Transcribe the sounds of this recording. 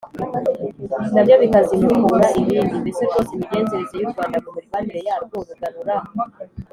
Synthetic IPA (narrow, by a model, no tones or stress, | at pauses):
inaβjo̞βikazimumuɾaʔiβiːndibisoɾɡoːsemiɡe̞ːnzeɾezejuɾɡwaːndakumuɾɡwaːniɾejaːɾɡoβaɡaɾuɾa